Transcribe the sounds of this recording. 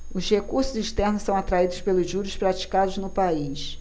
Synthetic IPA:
ʊzhekuɾsʊziʃt̪ɛɾnʊsɐ̃w̃at̪ɾaid̪ʊspelʊzʒuɾʊʃpɾat͡ʃi̥kad̪ʊznʊpaiʃ

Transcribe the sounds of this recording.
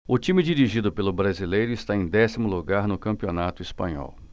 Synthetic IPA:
ʊt͡ʃĩmɪd͡ʒiɾiʒid̪ʊpelʊbɾazilejɾʊɪst̪aẽj̃d̪ɛsimʊluɡaɾnʊkɐ̃mpionat̪ʊispɐ̰̃ɲɔ̰w

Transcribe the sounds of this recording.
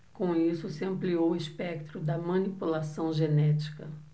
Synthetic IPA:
kõisʊsɪɐ̃mpliowispɛk̚t̪ɾʊd̪ɐmɐ̃nipulasɐ̃w̃ʒenɛt͡ʃi̥kɐ

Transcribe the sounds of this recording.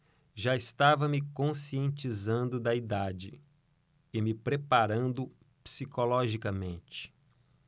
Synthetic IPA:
ʒaɪst̪avɐmɪkõsiẽnt͡ʃizɐ̃nd̪ʊd̪ɐid̪ad͡ʒɪ̰ | ɪmɪpɾepaɾɐ̃nd̪ʊ | psikolɔʒikɐmẽnt͡ʃɪ̥

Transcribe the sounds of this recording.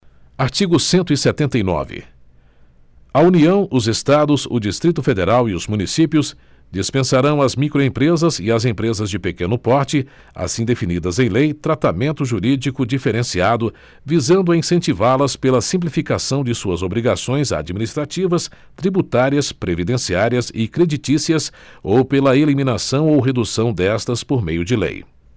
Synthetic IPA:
aɾt͡ʃiɡʊsẽnt̪ʊisɛt̪ẽnt̪ɐjnɔ̰vɪ̰ | auniɐ̃w̃ʔʊzest̪ad̪ʊzʊd͡ʒist̪ɾit̪ʊfed̪eɾawiʊzmũnisipjʊs | d͡ʒispẽsaɾɐ̃w̃ɐzmikɾoẽpɾezɐzɪɐzẽpɾezɐzd͡ʒɪpekẽnʊpɔɾt͡ʃɪ | a̰sĩd̪efinid̪ɐzẽj̃lejt̪ɾat̪amẽnt̪ʊʒuɾid͡ʒikʊd͡ʒifeɾẽsiad̪ʊ | vizɐ̃nd̪ʊɐĩsẽnt͡ʃivaɾlɐspelɐsĩp̬lifikasɐ̃w̃d͡ʒɪsuɐzobɾiɡasõj̃za̰d͡ʒiminist̪ɾat͡ʃivɐs | t̪ɾibut̪aɾiɐspɾevid̪ẽsiaɾiɐsɪkɾed͡ʒit͡ʃisiɐsowpelɐelimĩnasɐ̃w̃owɦed̪usɐ̃w̃d̪ɛst̪ɐspoɾmejʊd͡ʒɪlḛj

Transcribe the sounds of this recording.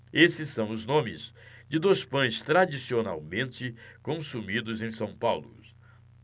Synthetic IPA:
esɪsːɐ̃w̃ʊznõmɪzd͡ʒɪd̪ojspɐ̃j̃st̪ɾad͡ʒisiona̰wmẽnt͡ʃɪkõsumid̪ʊzẽj̃sɐ̃w̃pawlʊ̰

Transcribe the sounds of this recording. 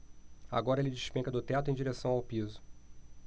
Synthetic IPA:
a̰ɡɔɾɐelɪd͡ʒiʃpẽkɐd̪ʊt̪ɛt̪ʊẽj̃d͡ʒiɾesɐ̃w̃awpizʊ

